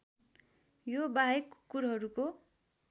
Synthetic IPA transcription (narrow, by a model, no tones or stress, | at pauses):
jobaɦekkːuɾɦʌɾuko